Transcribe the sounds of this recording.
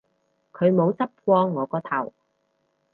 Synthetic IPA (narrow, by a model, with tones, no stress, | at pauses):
kʰɵ˨˧ɥmo˨˧wt͡sɐ˥p̚kʷɔː˧ŋːɔː˨˧kɔː˧t̪ʰɐ̰˨˩w